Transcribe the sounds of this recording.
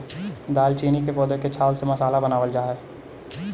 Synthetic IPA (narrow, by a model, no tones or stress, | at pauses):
d̪aːlt͡ʃiːnikepɔːd̪eket͡ʃʰaːlsemɐsaːlabɐnaːʋəld͡ʒaːɦɛː